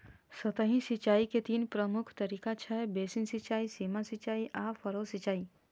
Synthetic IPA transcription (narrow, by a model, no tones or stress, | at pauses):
sət̪əɦĩsit͡ʃaːiket̪iːnpɾəmʊkʰt̪ɐɾikat͡ʃʰɛbesinsit͡ʃaːisiːmasit͡ʃaːiʔafʰəɾoːsit͡ʃaːi